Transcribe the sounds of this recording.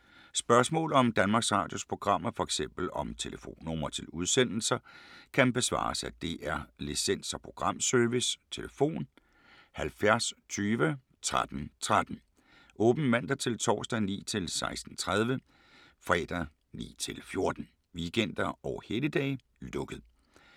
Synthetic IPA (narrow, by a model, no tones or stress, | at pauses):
sb̥ɶɐsmɔ̰̽ːlɒ̽md̥ænmɑ̈ɡ̥sʁɑ̈ːd̥jo̝spʰʁo̝ɡ̥ʁɑ̈m̰ɐfɒ̽eɡ̥sem̰b̥l̩ɒ̽mt͡sʰe̝ləfo̝̰ːnːɔmɐt͡sʰe̝luð̞ˠsen̰l̩sɐkʰænb̥e̝sʋɑ̰̈ːsæd̥e̝ʔæɐlisen̰sɒpʰʁo̝ɡ̥ʁɑ̈m̰sœɐʋist͡sʰe̝ləfo̝̰ːn | hælfjæɐst͡sʰyːʋə | t͡sʰʁad̥n̩t͡sʰʁad̥n̩ | ʔɔːb̥n̩mæn̰d̥ɐt͡sʰe̝lt͡sʰɒ̰ːsd̥ɛnḭːt͡sʰe̝lsɑ̈ɪsd̥n̩t͡sʰʁað̞ˠʋə | fɛ̰ːd̥ɐ | nḭːt͡sʰe̝lfjo̝ɐd̥n̩ | ʋiɡ̥en̰d̥ɐɒʊheləd̥ɛ̰ː | lɔ̽ɡ̥əð̩ˠ